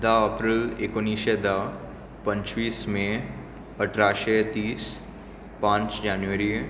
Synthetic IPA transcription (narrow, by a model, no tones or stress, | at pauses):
d̪aəpɾɪlekʊnːiːʃed̪a | pɐ̃ɲt͡ʃwiːsmẽ | əʈʰɾaːʃet̪iːs | pãːt͡ʃd͡ʒaːnʋəɾi